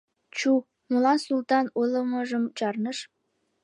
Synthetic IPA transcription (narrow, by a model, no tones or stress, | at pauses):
t͡ɕu | mulˠɑnsulˠt̪ɑnulˠəmə̆ʒəmt͡ɕɑrnəʃ